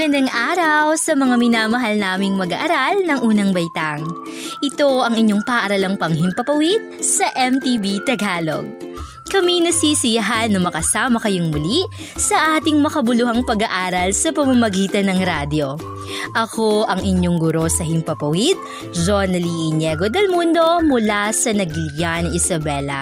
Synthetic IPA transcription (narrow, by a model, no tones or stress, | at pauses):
ɡɐnd̪ɐŋʔaːɾɐwsɐmɐŋamɪnaːmɐɦɐlnaːmɪŋmɐɡɐ̰ʔɐɾalnɐŋʔuːnɐŋbɐjt̪aŋ | ʔɪt̪o̞ʔɐŋɪɲːo̞ŋpɐːʔɐɾɐlɐŋpɐŋɦɪmpɐpɐwid̪̚sɐʔɛmt̪ibit̪ɐɡaːlo̰ɡ̚ | kɐminɐsisɪjɐɦanɐmɐkɐsaːmɐkɐjoŋmʊli | sɐʔaːt̪ɪŋmɐkɐbʊluhɐŋpɐɡɐʔaːɾɐlsɐpɐmɐmɐɡiːt̪ɐnɐŋɾad̪jo̞ | ʔɐko̞ʔɐŋʔɪɲo̞ŋɡʊɾo̞sɐɦɪmpɐpɐwid̪̚ | d͡ʒonɐliʔɪɲjɛɡod̪ɐlmund̪o̞mʊlasɐnɐɡljanɐŋʔɪsɐbɛlɐ̰